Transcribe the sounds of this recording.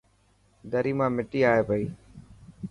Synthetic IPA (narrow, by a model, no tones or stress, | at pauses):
d̪əɾiːmãːmɪʈiːaːɦeːpəiː